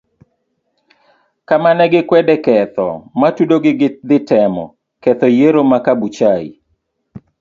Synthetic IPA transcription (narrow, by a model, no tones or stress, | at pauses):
kamanɛɡɪkwɛdɛkɛt̪ɔ̰matudoɡɪɡd̪ɪtɛmɔ̰ | kɛt̪ɔjeɾomakabut͡ʃaḭ